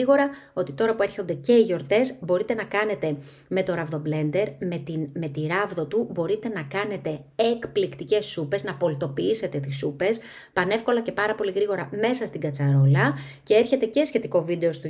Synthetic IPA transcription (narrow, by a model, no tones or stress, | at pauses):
iɣo̞ɾɐo̞t̪it̪o̞ɾɐpue̞ɾço̞nd̪e̞ce̞iʝo̞ɾt̪e̞zbo̞ɾit̪e̞nɐkɐne̞t̪e̞ | me̞t̪o̞ɾɐvðo̞ble̞nd̪e̞ɾmet̪inme̞t̪iɾɐvðo̞t̪ubo̞ɾit̪e̞nɐkɐne̞t̪e̞ekplikt̪ice̞sːupe̞znɐpo̞lit̪o̞piise̞t̪e̞t̪isupe̞s | pɐne̞fko̞lɐce̞pɐɾɐpo̞liɣɾiɣo̞ɾɐme̞sɐst̪iɡɐt͡sɐɾo̞lɐ | ce̞e̞ɾçe̞t̪e̞ce̞sçe̞t̪iko̞vid̪e̞o̞st̪u